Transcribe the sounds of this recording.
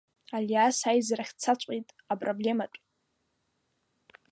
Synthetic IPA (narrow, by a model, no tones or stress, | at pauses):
aljasajzraχʲt͡sʰat͡ɕʷʼitʼ | apʼroblʲe̞maʈ͡ʂʼ